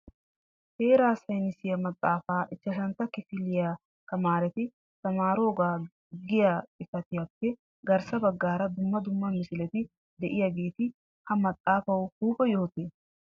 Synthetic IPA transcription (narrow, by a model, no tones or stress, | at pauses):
heːɾaːsɐjnɪsɪjɐmɐt̪ʼːaːfaːʔɪt͡ʃːɐʃɐnt̪ːɐkɪfɪlɪja | kɐmaːɾɛt̪ɪ | t̪ɐmaːɾo̞ːɡaː | ɡɪjaɪfɐt̪ɪjɐpːɛ | ɡɐɾsɐbɐɡːaːɾɐd̪ʊmːɐd̪ʊmːɐmɪsɪlɛt̪ɪ | d̪ɛʔɪjɐɡe̞ːt̪ɪ | hɐmɐt̪ʼːaːfɐwhuːpʼɔjoːɔt̪eː